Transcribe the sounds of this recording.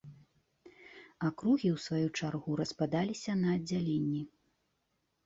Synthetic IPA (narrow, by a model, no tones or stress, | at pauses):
akɾuɣʲiwsvajut͡ʂarɣuɾɐspad̪alʲisʲɐnɐːd͡zʲːalʲenʲːi